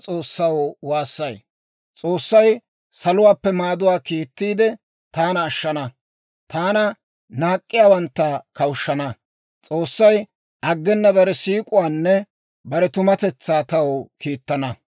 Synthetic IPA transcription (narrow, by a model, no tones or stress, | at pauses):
t͡sʼo̞ːsːɐwwaːsːɐj | t͡sʼo̞ːsːɐj | sɐlʊwaːpːɛmaːd̪ʊwaːkiːt̪ːiːd̪ɛ | t̪aːnɐːʃːɐnɐ | t̪aːnɐ | naːkʼːɪjaːwɐnt̪ːɐkɐwʃːɐnɐ | t͡sʼoːsːɐj | ʔɐɡːɛnːɐbɐɾɛsiːkʼʊwaːnːɛ | bɐɾɛt̪ʊmɐt̪ɛt͡sːaːt̪ɐwkiːt̪ːɐnɐ